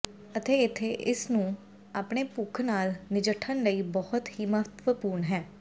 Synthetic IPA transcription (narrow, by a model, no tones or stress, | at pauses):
ət̪eːɪt̪ʰːeːʔɪsnũː | aːpɳeːpʊkʰnaːlnɪd͡ʒəʈʰːənləiːbɔːʊt̪ɦiːməft̪ʋəpuːɾɳɦɛː